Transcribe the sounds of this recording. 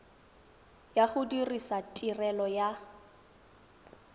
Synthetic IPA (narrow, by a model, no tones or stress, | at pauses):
jaχʊdirisatʼirɛlɔja